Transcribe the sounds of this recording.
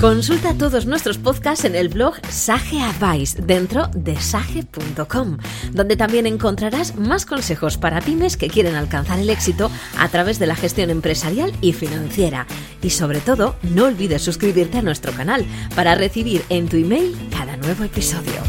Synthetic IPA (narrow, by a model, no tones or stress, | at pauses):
ko̞nsult̪at̪o̞ðo̞znwe̞st̪ɾo̞spo̞ðkase̞ne̞lβlo̞ɣsaxe̞aβajsd̪e̞nt̪ɾo̞ðe̞saxe̞punt̪o̞ko̞m | d̪ond̪e̞t̪ambje̞nẽ̞ŋko̞nt̪ɾaɾazmasko̞nse̞xo̞spaɾapime̞ske̞kje̞ɾe̞nalkan̟θaɾe̞le̞ksit̪o̞a̰t̪ɾaβ̞e̞zðe̞laxe̞st̪jo̞nẽ̞mpɾe̞saɾjalifinãn̟θje̞ɾa̰ | iso̞βɾe̞t̪o̞ðo̞no̞ːlβiðe̞sːuskɾiβiɾt̪e̞anwe̞st̪ɾo̞kanalpaɾare̞θiβ̞iɾe̞nt̪uime̞jlkaðanwe̞β̞o̞e̞piso̞ðjo̰